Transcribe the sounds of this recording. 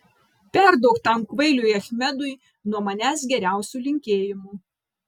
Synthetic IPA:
pʲɛɾd̪ɐʊkt̪ɐmkʋɐɪlʲujɐxʲmʲɛd̪ʊɪ | nuɔmɐnʲæːsɡʲɛɾʲæˑʊsʲuːlʲɪŋʲkʲeːjɪmuː

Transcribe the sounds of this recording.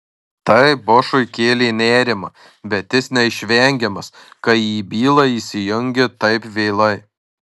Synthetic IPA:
t̪ɐɪboːʃʊɪkʲeːlʲeːnʲæːɾʲɪmɐ | bʲɛt̪ʲjɪsnʲɛɪʃʲʋʲɛˑŋʲɡʲɛmɐskɐjiːbʲiːlˠɐiːsʲɪjʊŋʲɡʲɪt̪ɐɪpʋʲeːlˠɐɪ

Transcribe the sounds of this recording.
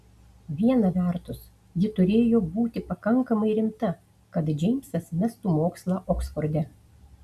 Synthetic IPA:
ʋʲiɛnɐʋʲɛˑɾt̪ʊs | jɪt̪ʊɾʲeːjoːbuːt̪ʲɪpɐkɐŋkɐmɐɪɾʲɪmt̪ɐ | kɐt̪d͡ʒʲɪmʲsɐsmʲɛst̪uːmoːkslˠɑːʔɔksfɔɾʲd̪ʲɛ

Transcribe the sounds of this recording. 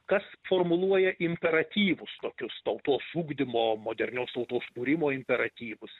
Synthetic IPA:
kɐsfoːrmʊlˠuɔjɛʔɪmʲpʲɛɾɐt̪ʲiːʋʊst̪oːkʲʊst̪ɐʊt̪oːsuːɡd̪ʲɪmoːmoːd̪ʲɛɾʲnʲoːst̪ɐʊt̪oːskuːɾʲɪmoːɪmʲpʲɛɾɐt̪ʲiːʋʊs

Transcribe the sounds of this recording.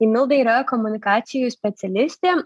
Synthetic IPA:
imʲʊlˠd̪ɐɪɾojkɔmʊnʲɪkɑːt̪sʲɪjʊjsʲpʲɛt̪sʲɛlʲɪsʲt̪ʲeː

